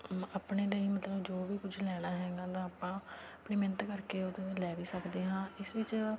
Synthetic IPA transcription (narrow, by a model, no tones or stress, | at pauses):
aːpɳeːd̪eiːmət̪ləbd͡ʒoːʋiːkʊd͡ʒʰlɛːɽ̃aːɦɛːɡaːt̪ãːaːpãː | plɪːmɛ̃nt̪kəɾkeːod̪ẽːlɛːʋiːsəkd̪eːɦãːɪsʋɪt͡ʃ